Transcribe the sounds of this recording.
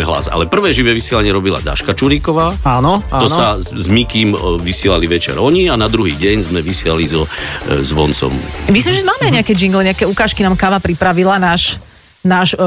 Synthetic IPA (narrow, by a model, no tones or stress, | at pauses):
ɦla̰za̰lɛpr̩ʋɛːʒiʋɛʋisɪɛlaɲɪɛɾɔbila̰d̪a̰ʃkat͡ʃuɾikɔʋaːaːnɔɔsa | zmikiːmʋisɪɛlaliʋɛt͡ʃɛ̰ɾɔɲianad̪ɾuɦiːɟɛɲzmɛʋisɪɛlalizɔzʋɔnt͡sɔ̰mmislimʒɛmaːmɛaɪɲɛakɛːd͡ʒiŋɡlɛɲɛakɛukaːʃkinaːmkaːʋapɾipɾaʋilanaːʃ | naːʃ